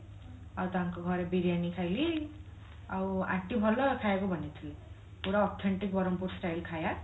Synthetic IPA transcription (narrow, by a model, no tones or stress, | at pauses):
ʌwt̪aɦãŋkoɡʱʌɾebiɾijanikʰajli | awã̰ʈːibʱʌlːʌkʰaekobʱʌnet̪ʰili | eɽaɔt̪ʰeɳʈik̚bʌɾʌmpursʈajlkʰaja